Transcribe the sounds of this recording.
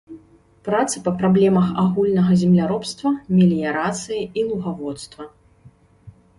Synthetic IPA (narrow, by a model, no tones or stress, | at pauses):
pɾat̪sɨ̥pɐpɾablʲɛmɐxaɣulʲnɐɣɐzʲɛmlʲaɾɔpst̪vɐmʲɛlʲijaɾat̪sɨjiilˠuɣavɔt̪st̪vɐ